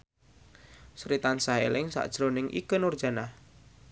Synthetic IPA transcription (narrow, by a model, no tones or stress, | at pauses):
sɾit̪ansaɦḛlɪŋsa̰ʔd̥ʒ̥ɾonɪŋʔḭkənurd̥ʒ̥a̤nah